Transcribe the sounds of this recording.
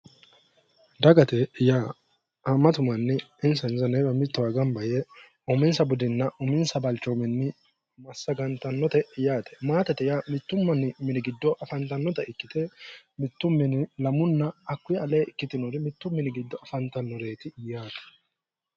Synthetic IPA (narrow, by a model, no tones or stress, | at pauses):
d̪ɐɡɐt̪ɛja | ɐmːɐt̪ʊmɐnːɪɪnsɐnzɐnɛjbɐmɪt̪ːʊwaɡɐmbɐjɛ | ɔmɪnsɐbʊd̪ɪnːɐʔʊmɪnsɐbɐlt͡ʃːɔmɪnːɪ | mɐsːɐɡɐnt̪ɐnːɔt̪ɛɪjaːt̪ɛ̥maːt̪ɛt̪ɛjamɪt̪ːʊmːɐnɪmɪnɪɡɪd̪ːɔʔɐfɐnt̪ɐnːɔt̪ɐɪkːɪt̪ɛmɪt̪ːʊmːɪnɪlɐmʊnːɐːkːʊjɐleːʔɪkːɪt̪ɪnɔɾɪmɪt̪ːʊmːɪnɪɡɪd̪ːɔɐfɐnt̪ɐnːɔɾe̞ːt̪ɪjaːt̪ɐ̥